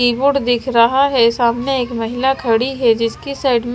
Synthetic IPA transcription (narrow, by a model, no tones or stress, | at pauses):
iːbʊɽd̪ɪkʰɾɐɦaɦɛsaːmnẽeːkmɐɦɪlakʰɐɽiɦɛd͡ʒɪskisaːɪɖm